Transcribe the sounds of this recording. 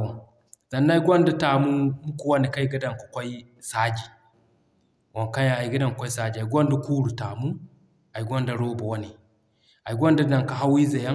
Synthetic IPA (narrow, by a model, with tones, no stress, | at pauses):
z̥a˨nːa˦i˦ɡʷo˦nda˦ta˨mu˦mu˦ku˨wa˦ni˨ka˦ji˦ɡa˦da˨ŋko̥˨kʷɔ˦i˦ | sa˦d͡ʒi˨ | wʔo˨ŋka˦a˦˨a˨i˨ɡa˦da˨ŋ˨kʷo˦i˦sa˦d͡ʒi˨a˨˦ɡʷo˦nda˦kuː˦ɽu˨ta˨mu˦ | a˨i˨ɡʷo˦nda˨ɾoː˦ba˨wa˦ni˨ | a˨i˨ɡʷo˦nda˦da˨ŋka˦˨ɦa˦wi˦za˨ja˦